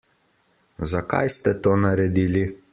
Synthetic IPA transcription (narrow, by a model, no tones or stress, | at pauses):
zaka̰jst̪ɛt̪oːnaɾɛd̪iːli